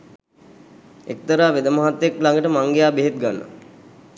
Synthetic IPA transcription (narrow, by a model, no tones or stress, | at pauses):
ek̚t̪əɾaːʋed̪əmaɦat̪ːeklaŋɡəʈəmaŋɡejaːbeɦet̪̚ɡanːə̰